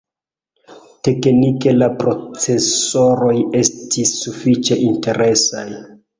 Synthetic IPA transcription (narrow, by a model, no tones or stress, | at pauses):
te̞knike̞lapɾo̞t͡se̞so̞ɾo̞je̞stʰisːufit͡ʃe̞ʔinte̞ɾe̞sa̰j